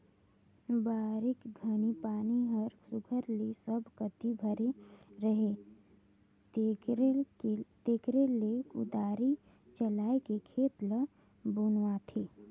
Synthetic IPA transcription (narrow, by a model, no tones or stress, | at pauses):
baːɾɪkɡʱənipaːniɦəɾsʊɡʱəɾlesəbʱkət̪ibʱəɾeɾəɦe | t̪eːkɾelekʊ̰d̪aːɾi | t͡ʃəlaːekekʰeːt̪lə | bʊnwat̪ʰeː